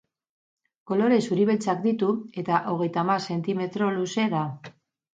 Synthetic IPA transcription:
ko̞lo̞ɾe̞suɾiβelt͡sakd̪it̪ue̞t̪aʔo̞ɣ̞e̞jt̪amaɾse̞nt̪ime̞t̪ɾo̞luse̞ða

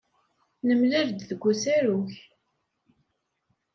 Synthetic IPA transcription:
nəmlɪɾd̪ðəɡʷːusæɾuç

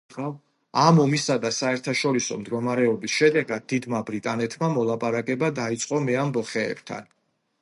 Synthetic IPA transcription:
a | amɔmisad̪asaɛɾt̪ʰaʃɔɾisɔ̰md̪ɡɔmaɾɛɔbisʃɛd̪ɛɡad̪̚d̪ːid̪mabɾit̪ʼanɛt̪ʰmamɔlˠapʼaɾakʼɛbad̪ait̪sʼqʼɔmɛambɔχɛ̰ːb̥t̪ʰa̰n

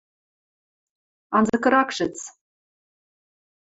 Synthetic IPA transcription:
ɑnzɤ̆kɤ̆ɾɑkʃɘ̆t͡s

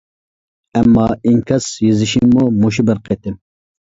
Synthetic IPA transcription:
ɛmːɑːiŋkʲʰɑsjezɪʃiŋmumoʃ̬ibɪɾqʰet̪ɪm

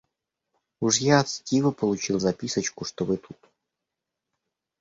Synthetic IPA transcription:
uʂjaɐt̪stʲivəpəlˠʊt͡ɕilˠzɐpʲisət͡ɕkʊʂt̪obɨt̪ut̪

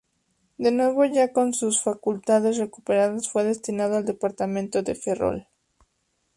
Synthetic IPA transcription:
d̪e̞nwe̞β̞o̞ʝako̞nsusfakult̪aðe̞sre̞kupe̞ɾaðasfwe̞ðe̞st̪inað̞oald̪e̞paɾt̪amẽ̞nt̪o̞ðe̞̰fe̞ro̰l

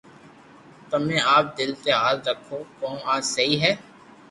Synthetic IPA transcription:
t̪əmẽːaːp̚d̪ɪlt̪eɦaːlɾəkʰːoːkɔːmaːsɐɦiːɦɛː

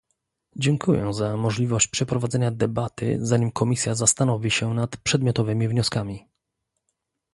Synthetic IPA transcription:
d͡ʑɛŋkʰujɛ̰zamɔʐlʲivɔɕt͡ɕpʂɛpɾɔvad̪zɛɲad̪ɛbat̪ɘ̰zaɲimkʰɔmʲisʲjazast̪anɔvʲiɕɛnat̪pʂɛd̪mʲjɔt̪ɔvɘmʲivɲɔskamʲi

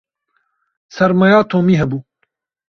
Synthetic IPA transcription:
sɐɾmɐjɑːt̪ʰoːmiːɦɐbuː

